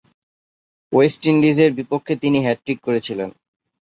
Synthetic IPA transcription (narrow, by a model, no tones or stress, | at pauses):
wesʈinɖizeɾbipokʰːet̪iniɦɛʈːɾikkoɾet͡ɕʰilen